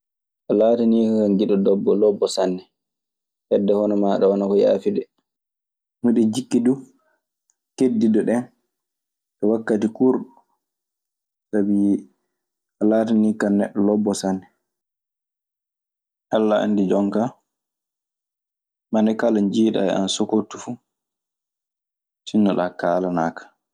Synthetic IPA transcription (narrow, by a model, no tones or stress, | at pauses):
ʔalaːtaniːkakanɡiɗɔdɔbːɔlɔbːɔsanːɛ | hɛdːɛhɔnɔmaɗɛwanakɔja̰ːfidɛ | muɗɛd͡ʒikːidu | kedːidɔɗɛn | ɗɛwakːatikuɾɗu | sabi | ʔalaːtanikanːɛɗːɔlɔbːɔsanːɛ | ʔalːaa̰ndid͡ʒɔŋka | manɛkaland͡ʒiːɗa̰ɛ̰a̰nsokotːufu | tinːaɗakaːlanaːkḁ